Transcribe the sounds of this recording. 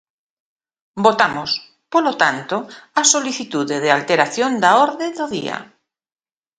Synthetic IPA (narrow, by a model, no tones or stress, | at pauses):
bot̪amos | polot̪ant̪oasoliθit̪uðeð̞ealt̪eɾaθjond̪aoɾðeðoðḭa̰